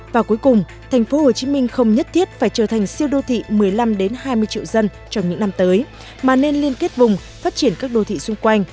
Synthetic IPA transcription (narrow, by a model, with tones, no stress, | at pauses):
vaː˨˩ku˨˦jkʊ˨˩ŋ͡m | t̪ʰɛ˨˩ŋ̟fo˨˦ho˨˩t͡ɕi˨˦mï˧ŋ̟xə˧wŋ͡mɲə˦˥t̚t̪ʰi˦˥ət̚faː˧˩jt͡ɕəː˧˩t̪ʰa˨˩jŋ̟si˧əwɗo˧t̪ʰḭ˧˨mɨ˨˩əjla˧mɗe˨˦nhaː˧jmɨ˧əjt͡ɕḭ˧˨əwzə˧n | t͡ɕɔ˧wŋ͡mɲɨ̰˧˥ŋna˧mt̪əː˨˦j | maː˨˩ne˧nli˧ənke˦˥t̚vʊ˨˩ŋ͡m | faː˦˥t̚t͡ɕi˧˩ənkaː˦˥k̚ɗo˧t̪ʰḭ˧˨sʊ˧ŋ͡mkwa˧jŋ̟